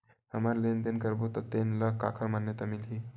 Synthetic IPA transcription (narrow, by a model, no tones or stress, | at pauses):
ɦəməɾlend̪enkəɾbot̪ɔt̪enləkakʰəɾmanjət̪amilɦi